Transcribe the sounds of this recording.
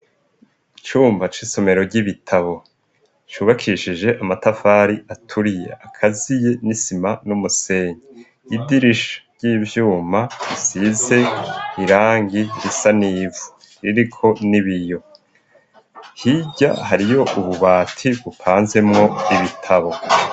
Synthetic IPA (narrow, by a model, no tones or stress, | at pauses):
it͡ʃuːmbat͡ʃiso̞me̞ɾo̞ɾɟiβitʰaβo̞ | t͡ʃuβakʰiːʃid͡ʒe̞ʔamatafaːɾiʔatʰuɾijḛakʰazije̞nisimanumuse̞ːɲe | idiɾiʃḁɾɟiːvjuːmaɾisize̞iɾaːŋɡiɾisaniːvu | ɾiɾikʰo̞niβijo̞ | hiɟa̰haɾijo̞ʔuβuβaːtʰiβupʰaːnze̞mŋo̞iβitʰaβo̞